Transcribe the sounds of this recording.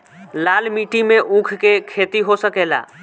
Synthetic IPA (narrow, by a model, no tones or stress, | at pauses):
lalmiʈimeʔũkʰkekʰet̪iɦosəkɛla̰